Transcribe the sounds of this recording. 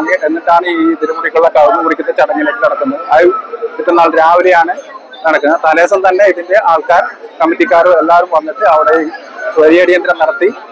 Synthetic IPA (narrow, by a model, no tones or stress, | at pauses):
ɐŋiʈenːiʈːaːɳɨiːd̪iɾumurikːɐɭuɭːɐkɐʋnurikʲːunːɨt͡ɕɐɽɐŋːɐlekːɨnɐɽɐkːunːɐðɨɐiit̪ːɐnːaːɭɾaːʋilɐjaːɳɨ | nɐɽɐkːunːɐt̪ɐleːsɐmt̪ɐnːe̞ðinde̞ʔaːɭkaːɾkɐmːiʈːikːaːrelːaːɐɾumʋɐnːiʈːɨɐʋiɽe̞ | ʋɐɾijɐɽijɐnd̪ɐɾɐmnɐɽɐt̪ːi